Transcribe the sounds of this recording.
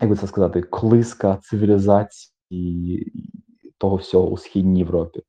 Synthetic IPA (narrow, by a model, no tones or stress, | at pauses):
jɐkɡbɨt̪sɛskɐzɑt̪ɪklˠɪskɐt̪sɪʋʲilʲɪzɑt͡sʲi̥ | i | t̪ɔɦɔwsʲɔɦɔ̰ṵsxʲidʲnʲijeʋɾɔpʲi